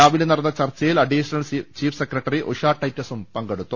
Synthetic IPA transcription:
aːʋilenɐrɐnːɐt͡ɕɐrt͡ɕːɐjilɐɖiːɕɐnɐlt͡ɕiːfʰsekrɐʈːɐriʔoʂaːʈːɐjtːɐsumpɐŋɡeɽut̪ːum

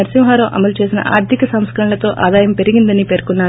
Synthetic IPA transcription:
ɐɾsimɦaːɾɐmʔɐ̰mɐlt͡ʃe̞ːsinɐ̰ʔa̰ːɾt̪ikɐsɐmskɐɾɐnlɐt̪o̞ːʔaːd̪aːjɐmpe̞ɾiɡind̪ɐnipeːɾkunːaːɾ

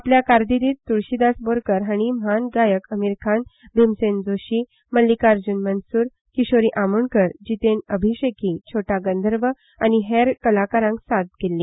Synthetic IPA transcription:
apljakaɾd̪iɾiːt̪t̪ːuɭɕid̪asboɾkəɾɦaɽ̃imanɡajəkəmiɾkʰanb̪ʱemsend͡zoɕi | məlːikaɾd͡ʑunmənsuːɾ | kiɕoɾiʔamunkəɾd͡ʑit̪enəbʱiɕekit͡ɕʰoʈaɡənd̪ʱəɾʋə | añiɦeɾkəlakaɾãŋksad̪̚kelːĩː

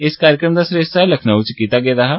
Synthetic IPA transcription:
ɪskaːɾjəkɾəmd̪aːsɾeːst̪aːləkʰnaːut͡ʃkiːt̪aːɡeːd̪aːɦaː

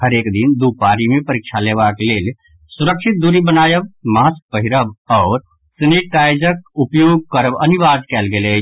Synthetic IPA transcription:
həɾeːkd̪ɪnd̪uːpaːɾimẽpəɾɪkʃʰaleːʋaːkeleːle | sʊɾəkʃɪt̪̚d̪uːɾibənaːjəʋmaːsk̚pəɦɪɾəʋɔːɾ | sɪneʈʈaːɪd͡ʒəkʊpjoːɡ̚kəɾəʋənɪʋaːd̪kɛːlɡele

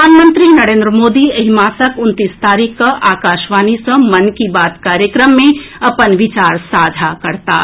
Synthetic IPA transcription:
aːnmə̃nt̪ɾinɐɾẽːnd̪ɾəmoːd̪iɐɦimaːsəkʊnt̪iːst̪aːɾiːkːaʔaːkaːʃʋaːnisɐ̃mɐnkibaːt̪kaːɾjəkɾəmːẽɐpənʋɪt͡ʃaːɾsaːd͡ʒʱakɐɾt̪a̰ː

